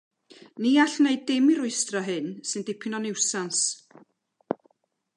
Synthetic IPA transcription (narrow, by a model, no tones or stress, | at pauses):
niːaɬneɨdemɪɾʊɨstrɔɦɨnsɨnd̥ɪpʰɪnɔnɪwsans